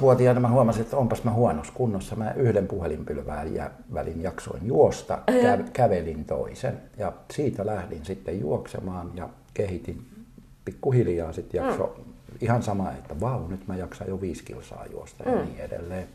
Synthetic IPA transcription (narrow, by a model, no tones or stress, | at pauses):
ʋuot̪iɑinɑmæhuɑmɑsiet̪ːæompɑsmæhuɑnoskunːosːɑmæʔyhdempuhelimpylʋæ̰ːjæ̰ | ʋælinjɑkso̰injuost̪ɑ̰kækæʋelint̪o̰isenjɑsiːt̪ælæhdinsit̪ːejjṵoksḛmɑːnjɑ | kehit̪in | pikːuhiljɑːsit̪jɑkso̰ihɑnsɑmɑḛt̪ːæʋɑunyt̪mæjɑksɑjjoʋiːskḭlsɑ̰ːjṵost̪ɑ̰jɑniːedḛlːeːn